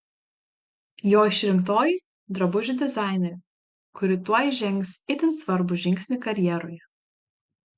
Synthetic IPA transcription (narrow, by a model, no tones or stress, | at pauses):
joːɪʃʲɾʲɪmkt̪oːji | d̪ɾɐbʊʒʲɪd̪ʲɛzɑˑɪnʲɛɾʲ | kʊɾʲɪt̪uɔjɪʒʲɛŋʲˑksɪt̪ʲɪnsʋɐɾbʊʒʲɪ̃ŋʲkʲsʲnʲɪkɐɾʲjiɛɾoːjɛ